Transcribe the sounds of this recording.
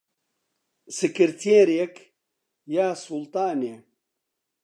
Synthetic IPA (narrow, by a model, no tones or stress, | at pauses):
sikiɾt̪ʰeːɾjek | jaːsult̪aːne